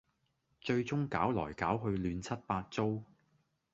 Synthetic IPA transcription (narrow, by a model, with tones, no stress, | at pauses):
t͡ʃɵ˧ɥt͡sʊ˥ŋkaː˨˥wlɔ̰ː˨˩jkaː˨˥wɦɵ˧ɥlyː˨˧nt͡sʰɐ˥t̚paː˧t̚t͡so˥w